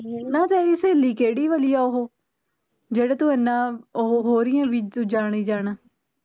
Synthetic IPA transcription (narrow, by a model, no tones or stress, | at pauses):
nãːd͡ʒaːɾiːseːliːkeːɽiːʋəlijaːoɦoː | d͡ʒeːɽaːt̪ʊɛ̃ːnãːɦoːɾɪjãːʋiːt̪ːd͡ʒaːɽ̃iːd͡ʒaːɽaː